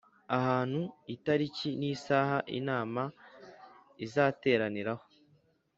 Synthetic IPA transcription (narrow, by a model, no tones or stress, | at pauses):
ahaːn̥huitaɾiciniːsaːhaʔḭnaːma | izaːte̞ːɾaniɾaho